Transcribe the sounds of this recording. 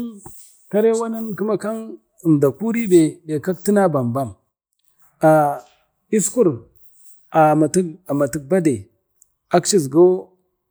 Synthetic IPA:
ka˦ɾe˦wa˦na˦nku˦ma˦ka˦n | ə˨mda˨ku˦ɾi˦be˨de˨ka˦k̚ti˦na˦ba˨mba˦˨m | a˨ | i˦sku˦ɾ | a˨ma˨ti˦a˨ma˨ti˨k̚ba˦de˨ | a˦kt͡ʃi˦z̬ɡo˦

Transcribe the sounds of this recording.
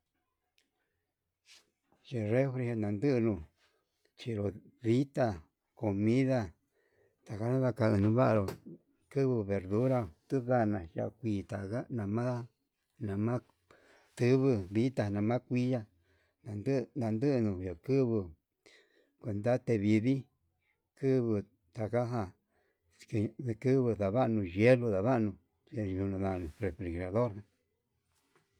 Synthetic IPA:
ʒe˨re˦fɾi˧he˧nã˨˧nd̪ɨ˦ʔnũ˧ | t͡ʃi˧ɾo˨ði˦t̪a˧ | ko˨mĩ˦ða˧ | t̪a˨ka˦nã˦ða˧ka˧ɨ˧nũ˧˦βa˦ʔa˧ɾo˨ | kɨ˦βɨ˧βe˨ɾðu˦ɾa˧˨t̪u˦ða˦˧nã˨ja̰˧ʔkʷiː˧t̪a˨ka˦nã˨mã˦ | nã˨mã˦ | t̪ɨ˦βɨ˧βi˦t̪a˧˨nã˨mã˦kʷi˦ja˧ | a˨˧nd̪a˧nd̪ɨ˦ʔnũ˨jo˨kɨ˦βɨ˧ | kʷe˧nd̪a˦t̪e˧βi˧βi˦ | kɨ˦βɨ˧ | t̪a˨ka˦ɦa˧ | ke˧˨˧kɨ˦βɨ˧ða˨βa˦˧nũ˧ʒe˦lu˧ða˨βa˦ʔnũ˧ | e˧˨ʒu˧nã˨˧ða˧˨nũ˨re˨fɾi˨ɣɾa˨ðo˦ɾã˧

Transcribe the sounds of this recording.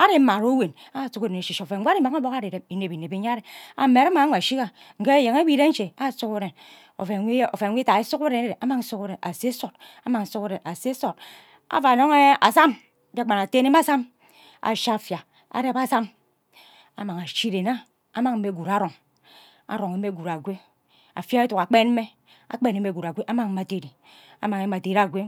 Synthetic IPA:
a˦ɾe˦ma˨ɾo˦we˨n | a˦˨su˦ke˦de˨ne˨ʃi˨ʃo˨fe˨˦ɡa˦ɾi˦ma˨˦ŋa˦bo˦ka˦ɾe˨ɾe˨i˨ne˨pi˨ne˨bi˨ɲa˦ɾe˨a̰˨˦me˨ɾa˦ma˨a˦ŋʷa˨ʃi˦ka˦ | ŋ̩˨ke˦je˨ŋe˦bi˦ɾe˦n̩˦t͡ʃe˨a˦su˦ke˦ɾe˨n | o̰˨fe˨˦o̰˨fe˨˦i˦a˨e˦su˦ke˦ɾe˨ne˦e˦˨e˨ʔa˦ma˦ŋ̩˦su˦ke˦ɾe˨a˨se˦so˨t̚ | a˦ma˨ŋ̩˨˦su˦ke˦ɾe˨na˨se˦so˨t | a̰˨va˨no˦ŋe˦a˨sa˦m˦ | d͡ʒe˦˨k͡pa˨na˨te˦ne˦ma˦sa˦m | a̰˨ʃa˦˨fja˨ | a̰˨ɾe˦pa˦˨sa˦m | a̰˨ma˨ŋa˨ʃi˦ɾe˨na˦ | a˨˦ma˨ŋm̩˦me˦ɡu˨ɾa˨˦ɾo˨ŋ | a̰˨ɾo˨ŋe˨me˦ɡu˨ɾa˨ɡʷe˦ | a̰˨fa˦e˦tu˨ka˨k͡pe˦nm̩˦e˦ | a̰˨k͡pe˦ne˦me˦ɡu˨ɾa˨ɡʷe˦ʔa˦ma˦ŋm̩˦ma˨te˨ɾi˨ | a̰˦ma˨ŋe˦ma˨te˨ɾa˦˨ɡʷe˦

